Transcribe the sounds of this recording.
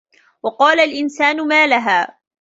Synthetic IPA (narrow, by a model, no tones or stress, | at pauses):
wɑqɑːlalʔɪnsaːnʊmaːlaɦaː